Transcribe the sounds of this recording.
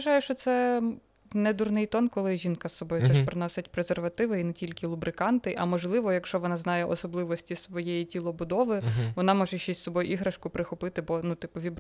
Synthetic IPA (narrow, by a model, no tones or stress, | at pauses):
ɐʒɑjʊʃt͡ʃɔt̪sɛ | nɛd̪urnɪjt̪ɔnkɔlˠɪʒʲinkɐsːɔbɔjʊt̪ɛʃpɾɪnɔsʲɪtʲpɾezerʋɐt̪ɪʋɪinɛtʲilʲkɪlˠʊbɾɪkɑnt̪ɪʔɐmɔʒlˠɪʋɔjɐkʃt͡ʃɔʋɔnɑznɑjɛʔɔsɔblˠɪʋɔsʲtʲisʋɔjɛjitʲilˠɔbʊd̪ɔʋɪʋɔnɑmɔʒɛʃt͡ʃɛsʲsɔbɔjʊʔiɦɾɐʃkʊpɾɪxʊpɪt̪ɪbɔnut̪ɪpʊʋʲib